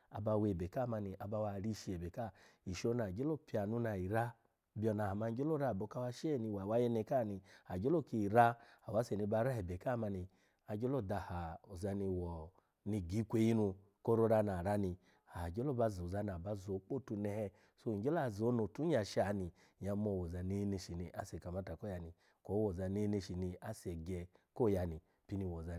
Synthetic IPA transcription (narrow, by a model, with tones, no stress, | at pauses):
a̰˨ba˧we˨be˨ka˦˨ma˧ni˧ʔa˧ba˧wa˧˨ɾi˧ʃi˧˨e˨be˨ka˦˨i˨ʃo˧˦na˨d͡ʒe˦lo˦pi˧a˨nu˨˧˦na˨i˨ɾa˦ | bi˦ɔ˧˨na˨ha˨ma˧ŋ̩˦d͡ʒo˦lo˦ɾa˦˨bo˧˦ka˧˦wa˧ʃɛ˦˨ni˧wa˨wa˦jɛ˧nɛ˧˨ka˦˨ni˧a˨d͡ʒo˦lo˦˨ki˧i˨ɾa˦a˨wa˨˦se˨ni˧˦ba˧˦ɾa˦ɛ˨be˨ka˦˨ma˧ni˧ | a˨d͡ʒo˦lo˦˨da˧˨ha˨o˨za˨˧ni˧wɔ˨ | ni˧ɡi˨˦kʷe˧˦ji˦nu˧ | ko˦ɾo˧˦ɾa˧na˨ɾa˦ni˧ | a˨d͡ʒɔ˦lɔ˦ba˧zo˨za˧˦na˨ba˧zo˨˦k͡po˦˨tu˧nɛ˧hɛ˧ | so˧˨d͡ʒɔ˦la˦˨zo˨˦no˨tu˨˦ɲ˦a˧˨ʃa˨˦ni˧ | ɲa˧˦mɔ˧˨wɔ˨za˧ne˦ne˧˨ʃi˨ni˧ʔa̰˨˦sɛ˨ka˨ma˨˧˦ta˨ko˦ja˧ni˨ | kɔ˨˦wɔ˨za˧ne˦ne˧ʃi˨ni˧a˨˦sɛ˨ɡɛ˧ko˦˨ja˧ni˨ | pi˦ni˧˨wɔ˨za˧